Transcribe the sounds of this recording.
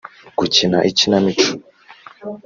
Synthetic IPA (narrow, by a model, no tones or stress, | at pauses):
kucinaʔicinamit͡ʃu̥